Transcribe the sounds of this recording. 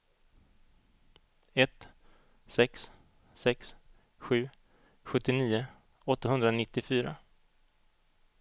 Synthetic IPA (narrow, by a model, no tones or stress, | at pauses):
ɛt̪ | sɛks | sɛks | ɧʉ̟ː | ɧɵt̪ːɪniːʊ | ɔt̪ːaɦɵnd̪ɾanɪt̪ːɪfyːɾa